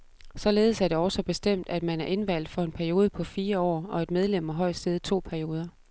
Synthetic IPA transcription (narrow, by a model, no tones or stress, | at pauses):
sɒ̽le̝ːð̞̩ˠsæɐɾ̥e̝ɒʊsɒ̽b̥e̝sd̥em̰d̥æd̥mænæɐʔe̝nʋæl̰d̥fɒ̽e̝npʰæɐijo̝ːð̞ˠəpʰɒ̽fiːɐɒ̰ːɒ̽e̝d̥meðˠlem̰æɦɒ̽ɪ̰̥sd̥eð̞ˠt͡sʰo̝̰ːpʰæɐio̝ːð̞ˠɐ